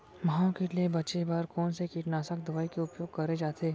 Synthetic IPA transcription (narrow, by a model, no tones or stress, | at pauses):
maɦõkeliebɐtːt͡ʃebaːɾkɔːnsekiːʈnaːsək̚d̪ɐʋaːikeʊpjoːɡ̚kɐɾed͡ʒaːt̪ʰeː